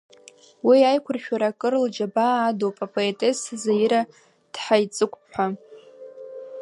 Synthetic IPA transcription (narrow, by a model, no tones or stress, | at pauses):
wiajkʷʰʊrʃᶣaɾakʼɨrld͡ʒabaːdowpʼapʼo̞etʼeszajiɾa | d̥ħajt͡sʼɨkʷʼpħa